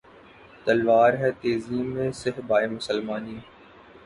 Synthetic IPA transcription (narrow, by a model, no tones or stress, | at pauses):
t̪əlʋaːɾɦɛːt̪eːziːmẽːsɪɦbaːeːmʊsəlmaːniː